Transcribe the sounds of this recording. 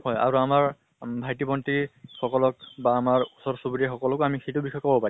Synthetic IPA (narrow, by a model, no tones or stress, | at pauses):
hɔja̰ɹuamaɹ | bʱajtipɔntixɔkɔlɔkbaːmaɹusɔɹsubiɹɛxɔkɔlɔkoamixʰetubixɔjkɔbɔpai